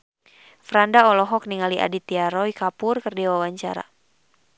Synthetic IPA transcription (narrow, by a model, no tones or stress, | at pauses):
fɾandaɔlɔɦɔk̚niŋaliʔa̰dit̪iaɾɔikapʊrkərdiwawaɲt͡ʃa̰ɾa̰